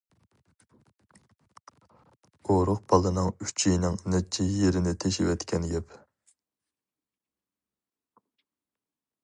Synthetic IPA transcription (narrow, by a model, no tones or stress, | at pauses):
oɾʊq̚b̥ɑlˠɨnɨŋyt͡ʃʰijnɪŋnɛt͡ʃʰːijeɾɪnɪt̪ʰeʃiwɛt̪kʲʰɛnjɛp